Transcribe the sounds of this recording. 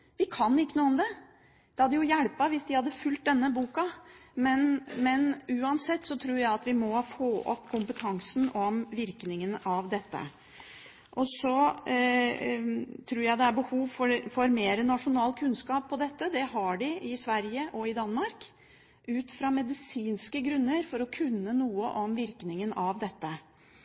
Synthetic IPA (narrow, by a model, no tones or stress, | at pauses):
ʋɪkʰɑnːɪkːənuːmd̪ɛ | d̪̥ɛhɑd̪ːəjʊjæɽpɑʋɪsd̪ɪhɑd̪ːəfʉlt̪̚d̪ɛnːəbuːkɑmɛnmɛnʉːɑnsɛt̪ːsɔt̪ʰɾuːɾjæɪɑt̪ʋɪmɔfoːʔɔ̰pːkʰʊmpət̪ʰɑŋsnɔmʋɪɾknɪŋənɑʋd̪ɛt̪ːə̰ | ʔɔsɔ | t̪ʰɾuːɾjæɪd̪ɛæɾbəhuːʋfɔfɔɾmeːɾənɑʂʊnɑːlkʰʉnskɑːpʰːɔd̪ɛt̪ːəd̪ɛhɑɖɪʔɪsʋæɾjəʔɔɪd̪ɑnːmɑɾk | ʔʉːt̪fɾɑmɛd̪ɪsiːnskəɡɾʉnːəɾfɔɾɔkʰʉnːənuːəʔɔmʋɪɾknɪŋənɑʋd̪ɛt̪ːə